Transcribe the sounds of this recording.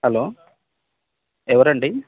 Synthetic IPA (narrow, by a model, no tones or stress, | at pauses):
hɐloː | ɛʋɐɾɐɳɖi